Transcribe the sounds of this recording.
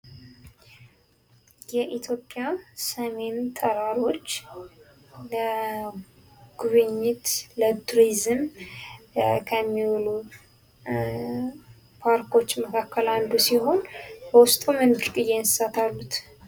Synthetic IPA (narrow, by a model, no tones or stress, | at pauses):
jɛʔit̪ʰjo̞pʼjasəme̞nt̪ʰəɾaɾo̞t͡ʃː | lə | ɡ̥uβɨɲːɪt̪lət̪ʰuɾizɨm | kʰəmːiwlu | pʰaɾkʰo̞t͡ʃːməkʰakːəland̪usiɦo̞nbəwʊst̪ʼumɨnbɨɾkʼɨjenɨsat̪ʰalːut̪